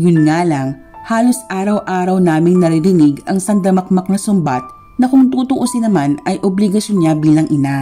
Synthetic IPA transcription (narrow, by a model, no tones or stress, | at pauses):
jʊnŋaːlɐŋ | haːlo̞sʔaːɾɐwʔaːɾɐwnaːmɪŋnɐɾɪɾɪnɪɡɐŋsɐnd̪ɐmɐk̚mɐk̚nɐsʊmbat̪̚ | nɐkʊŋt̪uːt̪ʊʔosɪnɐmanɐjʔoblɪɡɐʃjonɲabiːlɐŋʔɪna